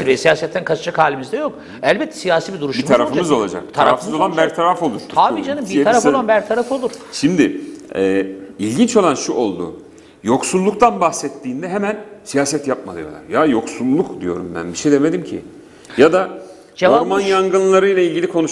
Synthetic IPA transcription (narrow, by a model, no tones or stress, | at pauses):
vɛsijaːsɛt̪ʰːænkʰat͡ʃʰat͡ʃʰakhaːlʲimizd̪ɛjok | ɛlʲbɛt̪ʰːɛ̥sijaːsiːbid̪uɾuʃbiumʰaɾafɯmɯzo̞lˠad͡ʒa̰kt̪ʰaɾaafsɯzo̞lˠanbæɾt̪ʰaɾafo̞lˠuɾʰaːbiːd͡ʒanɯmbitʰaɾafoanbæɾt̪ʰaɾafo̞lˠuɾ̥ʃimd̪ɪɛːilʲɟint͡ʃo̞lˠanʃuʔo̞lˠd̪ṵ | jo̞ksulˠːukt̪ʰanbaxsɛt̪ʰːiːnd̪ɛɦemænsijaːsɛt̪jap̚ma̰lˠɯjo̞lˠa̰ɾjajo̞ksulˠːukd̪ḭjo̞ɾumbæ̰nbiʃejd̪eme̞d̪imcʰḭ | jad̪a | d͡ʒoɾmanjaŋɡɯnlˠaɾɯjlˠailʲɟilʲikʰo̞nu